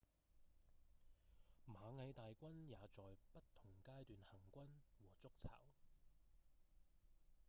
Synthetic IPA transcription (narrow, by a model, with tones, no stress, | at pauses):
maː˨˧ŋɐ˨˧jt̪aː˨jkʷɐ˥njaː˨˧t͡sɔː˨jpɐ˥tt̪ʰːʊ˨˩ŋkaː˥jt̪yː˨nhɐ˨˩ŋkʷɐ˥nwɔː˨˩t͡sʊ˥k̚t͡sʰa̰ː˨˩w